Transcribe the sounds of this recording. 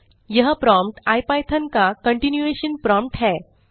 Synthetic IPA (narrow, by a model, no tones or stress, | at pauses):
jəɦəpɾɔ̃mpʈajpajt̪ʰənkakəɳʈinjueɕənpɾɔ̃mpʈɦɛ